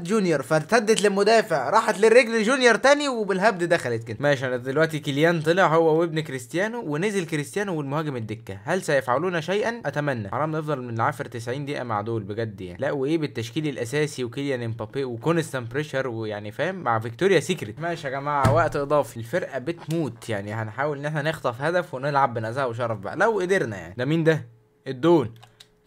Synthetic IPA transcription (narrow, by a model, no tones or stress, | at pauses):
t̪ʒunjɑɾˤfæt̪æd̪ːet̪lemod̪æːfeʕaɾˤɑːħɑt̪lerːeɡleʒunjɑɾˤt̪æːniwebelɦæb̚d̪d̪æxælet̪ked̪æmæːʃæd̪elwæʔt̪ikeljæːnt̪ˤɨleʕhowːæwebnkɾist̪jæːnuweneːzelkɾist̪ejæːnuwelmohæːɡemed̪ːekːæhælsæjefʕaluːnæʃæjʔænʔæt̪æmænːæ̰ʕ̰læːmnefd̪ˤɑlmenlʕaːʃɾt̪esʕiːnd̪iʔæ̰ma̰ʕd̪oːlbeɡæd̪ːja̰ʕnilæʔweʔeːbet̪ːæʃkiːlilʔæsæːsiwekeljænempɑpeʔwekonest̪æmpɾeʃɑɾˤwejaʕnifæːmːaʕvekt̪oːɾjæsekɾet̪mæːʃæɡæmaːʕawæʔt̪ʔed̪ˤɑːfilfeɾʔæbet̪muːt̪jaʕnihænħaːwelʔenːeħnænext̪ɑfhæd̪æfwenelʕabːenæzæhweʃ̬ɑɾˤɑfbæʔlæwʔed̪eɾnæ̰ja̰ʕnid̪æmiːnd̪æ | ʔed̪ːoːl